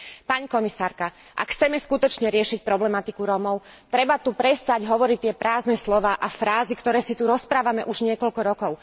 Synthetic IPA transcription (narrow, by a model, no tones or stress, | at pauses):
paɲikɔmisaːɾka | ʔa̰kxt͡sɛmɛskut̪ɔt͡ʃɲɛɾɪɛʃic̚pɾɔblɛmat̪ikuɾɔmɔʊt̪ɾɛbat̪upɾɛst̪aɟɦɔʋɔɾic̚t̪ɪɛpɾaːznɛslɔʋaːʔafɾaːzikt̪ɔɾɛːsit̪uɾɔspɾaːʋamɛʔuʒɲɪɛkɔʎkɔɾɔkɔʊ